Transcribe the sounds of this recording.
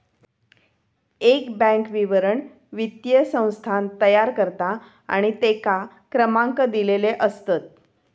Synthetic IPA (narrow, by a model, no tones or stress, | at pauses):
ekbə̃ŋkʋiʋəɾəɳ | ʋit̪jəsə̃w̃st̪ʰant̪əjaɾkəɾt̪a | a̰ɽ̃it̪eka | kɾəmaŋkəd̪ileleʔəst̪ət̪̚